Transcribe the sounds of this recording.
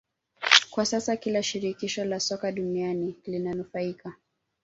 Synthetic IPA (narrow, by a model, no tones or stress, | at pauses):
kwasasakilaʃiɾikiʃɔlasɔkaɗunianilinanufaika